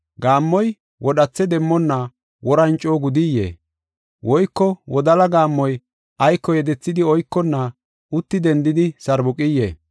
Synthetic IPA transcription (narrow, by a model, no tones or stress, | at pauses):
ɡaːmːɔj | wɔɗɐt͡sːɛd̪ɛmːɔnːɐ | wɔɾɐnt͡ʃʼːoːɡʊd̪ijːḛː | wɔjkːɔwɔd̪ɐlɐɡaːmːɔj | ʔɐjkːɔjɛd̪ɛt͡sːɪd̪ɪɔjkːɔnːɐ | ʊt̪ːɪd̪ɛnd̪ɪd̪ɪsɐɾbʊkʼɪjːḛː